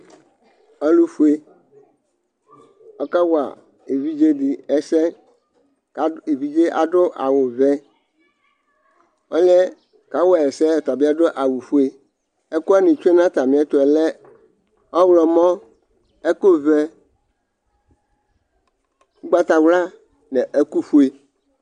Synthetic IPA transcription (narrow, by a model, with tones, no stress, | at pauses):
ɔ˦lu˦fu˦e˦ | ɔ˦ka˦wa̰˨ | e˨vi˦d͡ʒe˦di˨ɛ˨sɛ˦˨ | e˨vi˨d͡ʒe˦ʔa̰˨dʊ˦ʔa̰˨wʊ˨vɛ˦ | ɔ˦ɲɛ̃˦ | ka˨˦wɔ˦˨ɛ˨sɛ˦˨t̪a˨bi˦a˦dʊ˦ʔa˨wu˨fu˦e˦ | ɛ˦ku˦a˦nɪ̃˨t͡ʃu˦e˦nã˦t̪a˨mĩ˨˦ɛ˦t̪ʊ˨ɛ˨lɛ˦ | ɔ˦wlɔ˨mɔ̃˦ | ɛ˦ko˦vɛ˦ | u˦ɡ͡ba˦t̪a˨wla˦ | nɛ̃˨ʔɛ˦ku˦fu˦e˨